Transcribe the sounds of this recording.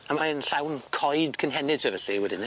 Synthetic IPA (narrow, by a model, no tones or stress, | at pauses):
amaənɬawnkʰɔjdkʰənɦɛnɪd̥səvəɬiwɛdɪn